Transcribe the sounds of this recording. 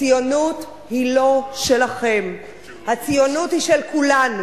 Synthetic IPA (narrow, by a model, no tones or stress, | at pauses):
ijo̞nut | hilo̞ʃe̞laχe̞m | hat͡sijonuthiʃelkulanu